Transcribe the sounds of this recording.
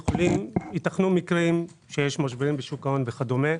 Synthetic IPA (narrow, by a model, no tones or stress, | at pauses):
jeχolimit̪aχnumikʁim | ʃe̞jeʃmaʃ̬beʁimbeʃukao̞nveχad̪ome